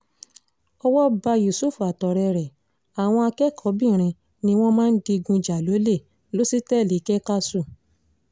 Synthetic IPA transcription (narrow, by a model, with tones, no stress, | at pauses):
ɔ˦wɔ˦ba˧ju˨su˦˨fu˨a˨tɔ˨ɾɛ˧ɾɛ˨ | a˨w̃ɔ̃˧a˧kɛ˦kʰɔ˨˦bĩ˦˨ɾ̃ĩ˧ | nĩ˧w̃ɔ̃˦mãː˦n̩˦di˧ɡũ˧˨d͡ʒa˨lo˨˦le˦˨ | lo˦si˦tɛ˦˨li˨˦kɛ˦ka˦su˦˨